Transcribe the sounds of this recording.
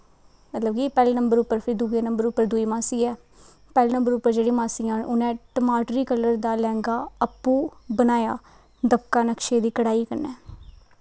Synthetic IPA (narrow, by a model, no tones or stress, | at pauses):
mət̪ləbkipɛːlːnəmbəɾʊpːəɾpʰɪɾid̪uɡeːnəmbəɾʊpːəɾd̪ʊiːmãːsiːɛː | pɛːleːnə̃mbəɾʊpːəɾd͡ʒeːɽiːmãːsiːãːnʊnɛ̃ːʈəmaːʈɾiːkələɾd̪aːlɛ̃ːŋɡaːəpːũːbənaːjaː | d̪əbkaːnəkʃeːd̪iːkəɽaːiːkəɾnɛː